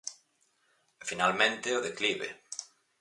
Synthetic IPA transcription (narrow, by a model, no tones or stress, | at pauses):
finalmẽnt̪eoðekliβḛ